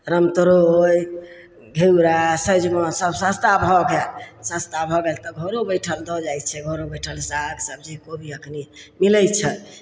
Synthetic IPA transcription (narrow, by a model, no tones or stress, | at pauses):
ɾəmt̪əɾooj | ɡʱewɾasəd͡ʒmɔsəbsast̪abʱɔɡelsast̪abʱɔɡelt̪ɔɡʱoɾobəjʈʰəld̪ɔd͡ʒajt̪̚t͡ʃʰɛɡʱoɾobəjʈʰəlsaɡsəb̚d͡ʒikobʱiəknimiləj̪̚t͡ʃʰɛ